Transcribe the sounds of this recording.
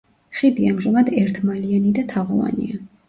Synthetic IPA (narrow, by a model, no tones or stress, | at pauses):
χid̪iamʒamad̪ɛɾt̪ʰmalianid̪at̪ʰaʁɔva̰nḭa